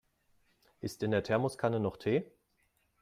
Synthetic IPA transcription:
ʔɪstɪndeːɐtʰɛɐmʊskʰanənɔχtʰeː

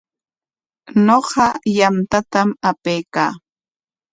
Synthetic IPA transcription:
noɢɑjamt̪at̪amapejkaː

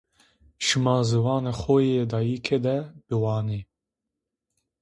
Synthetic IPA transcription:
ʃɨmɑːzɨwɑːnexojed̪ɑːjikʰed̪ɛbɨwɑːneː

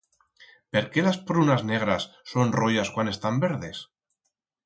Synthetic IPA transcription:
pe̞ɾke̞laspɾunazne̞ɣɾasːo̞nrojaskwane̞st̪ambe̞ɾðe̞s

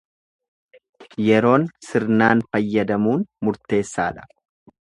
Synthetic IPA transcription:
jɛɾo̞ːnsɪɾnaːnfɐjːɐd̪ɐmuːnmʊɾt̪e̞ːsːaːᶑɐ̥

